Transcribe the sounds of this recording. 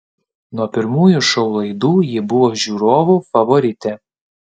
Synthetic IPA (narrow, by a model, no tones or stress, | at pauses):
nuɔpʲɪɾmuːjʊʃɐʊlˠɐɪd̪uːjɪbʊʋoːʒʲuːɾoːʋʊfɐʋɔɾʲɪt̪ʲɛ